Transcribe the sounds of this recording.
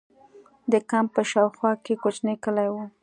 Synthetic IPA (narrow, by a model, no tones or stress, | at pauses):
d̪əkampəʃɑwxwɑkekot͡ʃnekəlajwu